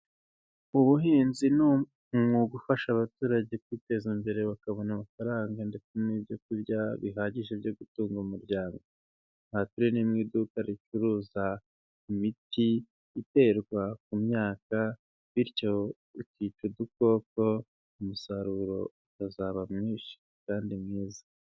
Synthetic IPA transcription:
uβuɦiːnzinu | mŋuɡufaʃaβatuːɾaɟe̞kwite̞ːzimbe̞ɾe̞βakaβo̞namafaɾaːŋɡande̞t͡senibjo̞kuɾɟaβiɦaːɟiʒebjoɡutuːŋɡumuɾɟaːŋɡo | nhatuɾenimŋiːdukaɾit͡ʃuɾuza | imitiː | te̞ːɾɡwak̚umɲaːka | βiɾco̞ | icit͡ʃuduko̞ːko̞ | umusaɾuɾo̞̰utazaβamŋiːʃi̥ | kaːndimŋiːzḁ

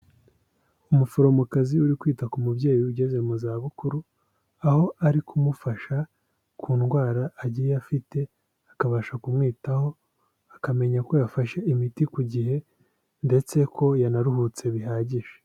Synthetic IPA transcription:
umufoɾo̞mukaziuɾikwiːtakumubɟe̞ːjuɟe̞ze̞muzaːβukuɾu | aho̞ʔaɾikʰumufaʃa | kʰuːnɡwaːɾaːɟijejafite̞ | akaβaːʃakumŋiːtaho̞ | akame̞ɲako̞jafaʃeʔimitikuɟihe̞ | nde̞t͡se̞kʰo̞janaɾuhut͡se̞βiɦaːɟiʃe̥

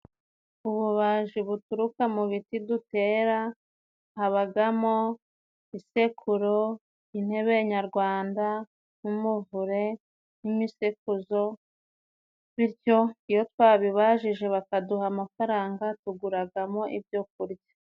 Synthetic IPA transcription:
uβuβaʒiβutuɾukamuβitidute̞ːɾa | haβaɡamo | ise̞kʰuɾo | in̥e̞βeɲaɾɡwaːnda | numuvuɾe̞ | nimisekuzo̞ | βiɾɟo̞ijo̞twaːβiβaʒiʒe̞βakaduɦamafaɾaːŋɡatuɡuɾaɡamo̞ʔibjok̚uɾɟḁ

